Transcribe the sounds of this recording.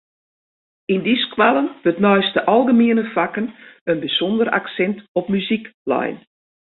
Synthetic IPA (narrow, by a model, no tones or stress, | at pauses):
indiskʰwalˠənʋøtnɔjstəʔɔlˠɣəmiənəfakənənbəsɔndəra̰ksɛntɔpmyziklɔ̰jn